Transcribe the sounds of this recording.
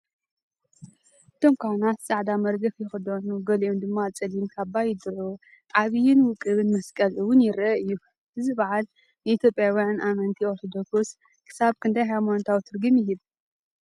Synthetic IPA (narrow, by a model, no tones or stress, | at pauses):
ɨt̪ʰo̞mkʰanat̪sʼaʕd̪amɐɾɡɐfjɪxɨd̪onuɡɐliomd̪ɨmːat͡sʼɐlimkʰaβbajɪd̪ɨʕu | ʕaβɨjɪnwʊkʼɨβɨnmɐskʼɐlʔɨwʊnjɪɾɐɨjːu | ʔɨzɨbaʕal | nɨit̪jo̞pʼjawijanʔamɐnt̪ʰioɾt̪ʰod̪oksos | kʰɨ̥saβkʰɨnd̪ajɦajmont̪ʰawt̪ʰɨɾɡɨmjɪɦiβ